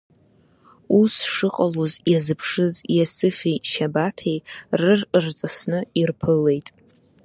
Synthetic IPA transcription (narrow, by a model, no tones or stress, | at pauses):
usʂɨqʼalozjazɨpʰʂɨzjasɨfejʃabatʰejrɨrrt͡sʼasnɨirpʰɨle̞jtʼ